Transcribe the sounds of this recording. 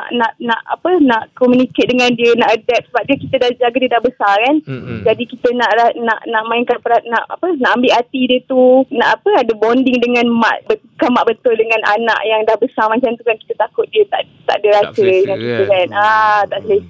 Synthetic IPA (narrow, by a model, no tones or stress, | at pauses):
aʔnaʔnãʔa̰pənaʔkomuniket̪̚dəŋãndiənaʔədɛp̚səbap̚diəkit̪ədahd͡ʒaɡadiədaʔbəsakand͡ʒadikit̪ənaʔana̰ʔnaʔmaɪnkanpəɾaʔ̪̚naʔa̰pənaʔambɪʔat̪idiət̪unaʔapəadəbondɪŋdəŋãnma̰ʔbə | kamaʔbət̪ʊldəŋãna̰na̰ʔjaŋdahbəsamat͡ʃamt̪ukanki̥t̪ət̪akʊt̪̚diət̪a̰ʔ | t̪a̰ʔdəɾasədəŋãnkit̪əkanat̪aʔsəlɪ